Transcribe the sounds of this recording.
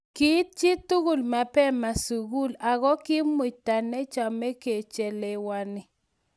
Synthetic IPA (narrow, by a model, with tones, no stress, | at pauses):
ki˦t̚t͡ʃi˦tu˦ɣu˨lma˨pɛ˦ma˨su˨ɡu˦la˨ɣɔ˦kɪ˦mwɪ˨ta˨nɛ˦t͡ʃa˨mɛ˦ke˨t͡ʃe˨le˨wa˦nɪ˨